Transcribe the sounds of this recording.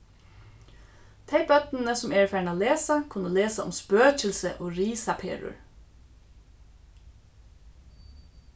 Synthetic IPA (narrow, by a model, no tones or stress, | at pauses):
t̪ʰeɪbœt̪nənəsʊmeːɹfæːɳaːleːsakʰʊnəleːsaʊ̰mspøːc͡çəlsəʔoːɹiːsapʰḛːɹʊ̰ɹ